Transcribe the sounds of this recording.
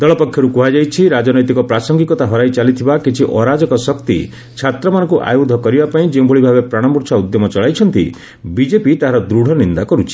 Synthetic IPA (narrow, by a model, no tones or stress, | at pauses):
d̪ɔɭɔpɔkʰjɔɾukuɦad͡ʒajt͡ʃʰiɾad͡ʒɔnɔjt̪ikɔpɾasɔŋɡikɔt̪aɦɔɾajt͡ʃalit̪ʰibakit͡ʃʰiʔɔɾad͡ʒɔkɔsɔkt̪ḭ | t͡ʃʰat̪ɾɔmanɔ̃ŋkuʔa̰jod̪ʱɔkɔɾibapaĩd͡ʒeũbʱɔɭibʱabepɾaɽ̃ɔmpuɾsʰaud̪jɔmɔt͡ʃɔɭajt͡ʃʰɔnt̪ḭ | bid͡ʒepit̪aɦaɾɔd̪ɾuɽ̤ʱɔnind̪akɔɾut͡ʃʰi̥